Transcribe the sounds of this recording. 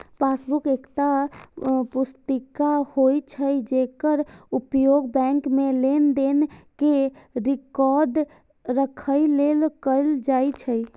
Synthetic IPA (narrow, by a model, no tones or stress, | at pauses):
pasbukekt̪a | pust̪ikahojt͡ʃʰəjd͡ʒekəɾupjoɡbɛ̃ŋkmelend̪enkeɾikɔɾɖ | ɾəkʰəjlelkəɪld͡ʒajt͡ʃʰə